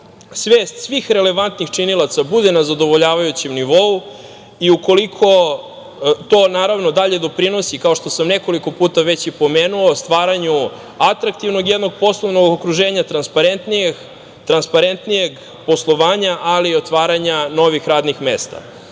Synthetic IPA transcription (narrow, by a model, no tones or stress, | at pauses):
sʋeːst̪sʋiːxɾe̞le̞ʋant̪nixt͡ʃinilˠat̪sabud̪enazad̪o̞ʋo̞ʎaːʋajut͡ɕemniʋo̞u | iuko̞likʰo̞ | t̪o̞ːnaːɾaʋno̞d̪aʎe̞d̪o̞pɾino̞sikao̞ʃt̪o̞samne̞ko̞liko̞puːt̪aʋet͡ɕipo̞meːnuost̪ʋaːɾaɲu | at̪ɾak̚t̪iʋnoɡjed̪no̞ɡ̚po̞slˠoʋnoɡokɾuʒeːɲat̪ɾanspaɾent̪nie | t̪ɾanspaɾent̪nijeɡ | po̞slˠoʋaːɲaʔalio̞t̪ʋaːɾaɲano̞ʋixɾaːd̪nixme̞ːst̪a̰